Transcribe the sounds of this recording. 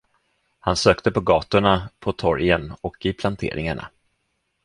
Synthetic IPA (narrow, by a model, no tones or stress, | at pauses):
hansøːkt̪əpɔɡɑːt̪ʊɳapʰɔt̪ʰɔɾjənɔkɪpʰlant̪ʰḛːɾʔɪ̰ŋaɳa̰